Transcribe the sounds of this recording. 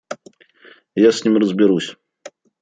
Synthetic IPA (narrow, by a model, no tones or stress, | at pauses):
jasʲnʲimrəzbʲɪɾusʲ